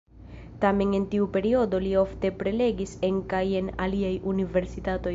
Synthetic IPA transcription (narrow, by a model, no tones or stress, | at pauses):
tame̞ne̞ntiupe̞ɾio̞do̞lio̞fte̞pɾe̞le̞ɡise̞ŋkaje̞na̰liajunive̞ɾsitato̞j